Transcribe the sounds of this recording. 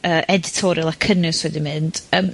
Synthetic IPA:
əːʔɛdɪtʰɔɾjʊlˠakʰənɨswɛdɪnmɨnd̥əːm

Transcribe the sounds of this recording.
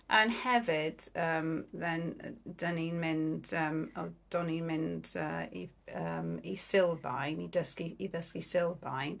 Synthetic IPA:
anhɛvɪd̥əːmðɛnd̥əninmɪndəːmɔd̥ɔninmɪndəḭ | əmisɪlˠbajnidəskiːðəskisɪlˠbajn

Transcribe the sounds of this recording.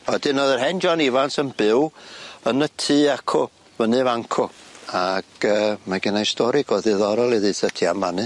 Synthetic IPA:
ɔdɨnɔðərɦɛnd͡ʒɔnivansənbɪwənətʰiːakʰɔ | vənɨvaŋkʰɔaɡ̥əːmaɡɪnajstɔɾiɡɔːðɨðɔɾɔlˠiðɨsətʰiamvanɨ

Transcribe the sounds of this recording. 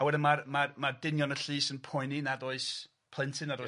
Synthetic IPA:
awɛdɪnmarmarmardɪnjɔnəɬiːsənpʰɔɨninadoɨs | pʰlˠɪntʰɨnado

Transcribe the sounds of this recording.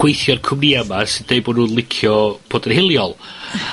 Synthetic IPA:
ɡ̥wejθjɔrkʰʊmniamasɪdd̥ejboːdnunlˠɪkʰjɔpʰodəhɪlˠjɔlˠ

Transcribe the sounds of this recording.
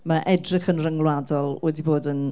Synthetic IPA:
maʔɛdrɪχənrəŋlˠwadɔlˠwɛdiboːdən

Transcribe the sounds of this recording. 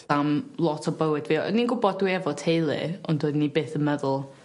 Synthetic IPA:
amlˠɔtʰɔbəwɨdviːɔ̰ninɡʊbɔd̚wiɛvɔtʰejlˠɨ̰ʊndodnibeːθənmɛðʊlˠ

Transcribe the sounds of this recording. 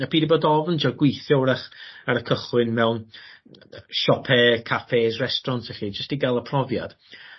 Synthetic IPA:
apʰiːdiboːdɔvnd͡ʒɔɡwɪjθjɔwɾaχaɾəkʰəχwɪnmɛwn | ʃɔpʰɛkʰafeːsrɛstrɔntʰɛχiːd͡ʒəstiɡalˠəpʰrɔvja̰d̥

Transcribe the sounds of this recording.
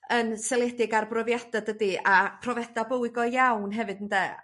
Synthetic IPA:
ənsɛlˠɛdɪɡarbrɔvjad̥adədiapʰrɔvɛdabəwɪɡɔjawnɦɛvɨd̥əndɛ

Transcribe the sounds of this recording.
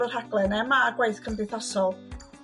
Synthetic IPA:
ər̥haɡ̥lˠɛnɛmaːɡwaɨθkʰəmdɪɨθɔsɔlˠ

